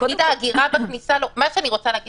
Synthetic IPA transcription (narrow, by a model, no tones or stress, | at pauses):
id̪aːɡiʁabaknisalomaʃeaniʁo̞t͡saleːɡi